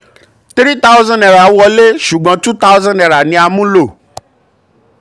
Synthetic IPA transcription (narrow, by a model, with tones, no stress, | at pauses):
t̪ɾi˦ta˦u˦zã˦ndɛ˨ɾa˨˦wɔ˧le˦ʃu˨ɡ͡bã˨˧tu˦ta˦wzã˦ndɛ˨ɾa˨nĩ˧a˧mũ˦lo˦˨